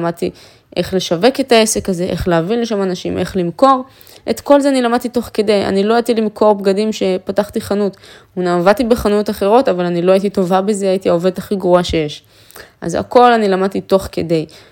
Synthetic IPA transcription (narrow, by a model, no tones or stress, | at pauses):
mad̚t̪i | ʔe̞χle̞ʃave̞ke̞tae̞se̞kaze̞ʔe̞χleavinleʃamanaʃḭmʔe̞̰χlimko̞ʁ | ʔet̪ko̞lzeanilamad̚t̪ito̞χke̞deja̰nilo̞ajat̪ilimkʰo̞ʁbɡadimʃe̞pataχt̪iχanutunavat̪ibeχanutaχe̞ʁo̞tavalanilo̞aitito̞vabe̞zeajitiaove̞dhaχiɡʁoaʃe̞je̞ʃ | ʔa̰za̰ko̞lanilamad̚t̪ito̞χke̞de̞j